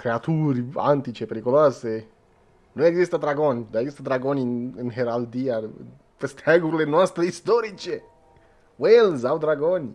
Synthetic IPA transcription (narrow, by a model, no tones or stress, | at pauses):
kɾeat̪uɾia̰nt̪it͡ʃepeɾikolase | nuneɡzist̪ad̪ɾaɡonid̪aɡzist̪ad̪ɾaɡoniinɦeɾald̪ia | pest̪ʰɛɡuɾlenɔst̪ɾeist̪ɔɾit͡ʃe | welzawd̪ɾaɡɔni